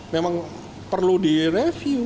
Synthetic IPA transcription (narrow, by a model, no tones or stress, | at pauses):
memaŋ | pərludirefju